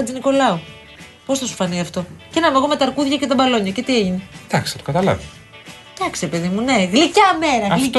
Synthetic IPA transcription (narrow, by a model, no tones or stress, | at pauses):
ɐd͡ziniko̞lɐo | po̞sθɐsu̥fɐniɐft̪o̞cenɐmeɣome̞t̪ɐɾkuðʝɐcet̪ɐbɐloɲɐce̞t̪ieʝined̪ɐksi̥θɐt̪okɐt̪ɐlɐ̰vi | d̪̥ɐksiɾepe̞ðimune̞ɣlicɐmeɾɐɣli